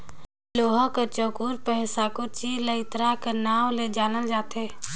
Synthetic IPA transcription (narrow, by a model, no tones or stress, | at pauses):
loːɦakət͡ʃokuɾpɛɦsakot͡ʃiləɪt̪ɾakənaːʋled͡ʒaːnəld͡ʒaːt̪ʰeː